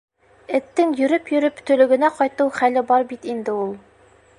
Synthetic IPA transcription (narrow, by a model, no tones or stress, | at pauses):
ɘ̆t̪ːɘŋjɵ̆ɾɵpjɵ̆ɾɵpt̪ɵ̆lɵ̆ɡɘ̆næqɒjt̪ɤwχælɘbɒɾbit̪ind̪ɘulˠ